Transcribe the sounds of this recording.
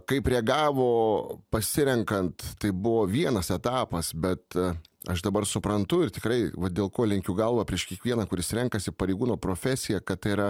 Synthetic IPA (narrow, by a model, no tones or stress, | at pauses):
kɐɪpɾʲɛɡɑːʋoːpɐsʲɪɾʲɛŋkɐnt̪tɐɪbʊʋoːʋʲiɛnɐsɛt̪ɑːpɐsbʲɛt̪ɐʃd̪ɐbɐrsʊpɾɐnt̪ʊɪrt̪ʲɪkɾɐɪʋɐd̪ʲeːlˠkoːlʲɛŋʲkʲuːɡɐlˠʋɐːpʲɾʲiɛʃkʲiɛkʋʲiɛnɐkʊɾʲɪsɾʲɛŋkɐsʲɪpɐɾʲɛɪɡuːnoːpɾoːfʲæsʲɪjɛkɐtt̪ɪɾɐ